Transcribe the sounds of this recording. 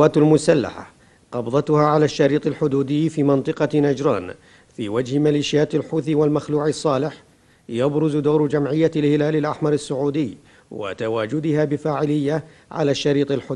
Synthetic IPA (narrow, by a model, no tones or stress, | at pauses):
aːt̪almʊsalːa̰ħa̰ | qɑbðˤɑt̪ʊhaːʕalaːʃːɑɾiːt̪ˤɪlħʊd̪uːd̪ɪjːfiːmɑnt̪ˤɨqɑnad͡ʒɾˤɑ̰ːn | fḭːwad͡ʒhɪmaliːʃjaːt̪alħuːθiwalmaxluːʕɪsˤːɑːlɪħ | jabɾʊzʊd̪oːɾd͡ʒamʕɪjːalhɪlaːlɪlʔaħmɑɾˤɪsːʊʕuːd̪ɪjː | wa̰t̪awaːd͡ʒʊd̪ɪhaːbɪfaːʕɪlɪjːa | ʕa̰laːʃːɑɾiːt̪ˤɪlħʊ